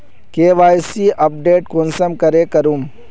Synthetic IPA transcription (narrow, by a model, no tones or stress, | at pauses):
keːʋaːjsiʔɐp̚ɖeːʈ̚konsɐmkɐɾeːkɐɾuːm